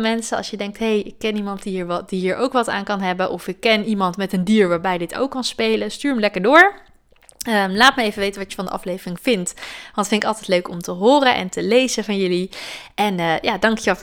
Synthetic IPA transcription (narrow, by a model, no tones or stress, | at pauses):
mɛnsənɑ̰sjədɛŋk̚tɦejɪkːɛnimɑntdiɦiːɹʋd̥iɦiːɹʔowkʋɑta̰ːnkɑnɦɛbənʔɔfɪkːɛnimɑntmɛtəndiːɹʋaːɹbɛjdɪtʰo̰wkːɑnspejləstyːɹəmlɛkəɹdʊːɹ | əmlaːtməejvənʋejtənʋɑtjəfɑndəʔɑ̰flejvərɪŋv̥ɪntʋɑntətfɪntɪkɑlˠtɛtløɥkɔmtəɦoːrənʔɛ̰ntəlejzəvɑnjɵliʔɛnəːjaːdɑŋkjəʋɛ